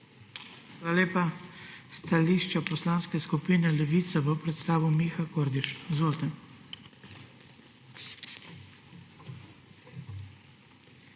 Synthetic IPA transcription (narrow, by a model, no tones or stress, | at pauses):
xaːlaleːpast̪aliːʃt͡ʃapɔslaːnskɛskupiːnɛlɛʋit̪saʋəpɾɛt̪st̪aːʋiwmiːxakoɾd̪iʃzʋoːlt̪ɛ